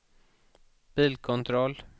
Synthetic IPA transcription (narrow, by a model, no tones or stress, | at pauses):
b̥ɪlkʰʊnt̪ʰɾɔl